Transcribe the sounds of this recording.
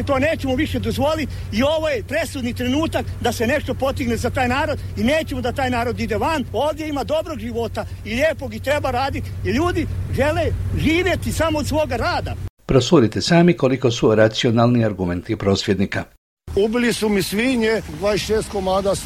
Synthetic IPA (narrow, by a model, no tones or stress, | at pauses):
t̪o̞ne̞ːt͡ɕemoʋiʃe̞d̪o̞zʋo̞lit̪ | io̞ʋojepɾe̞sud̪nit̪ɾe̞nuːt̪akd̪ase̞ne̞ʃt̪o̞po̞t̪iɡnezat̪aːjnaːɾo̞d̪ineːt͡ɕe̞mod̪at̪aːjnaːɾo̞d̪id̪eʋano̞ːʋd̪je̞imad̪o̞bɾo̞ɡʒiʋo̞t̪a | iʎʲeːpoɡit̪ɾe̞baɾaːd̪it̪iʎuːd̪iʒe̞le̞ʒiːʋje̞t̪isamoːd̪sʋo̞ːɡaɾaːd̪apɾosuɾit̪esaːmiko̞liko̞suɾat̪sionalˠniaɾɡume̞nt̪ipɾo̞ːsʋjed̪nika | ubilisumisʋiɲed̪ʋaesʃeːst̪komaːd̪a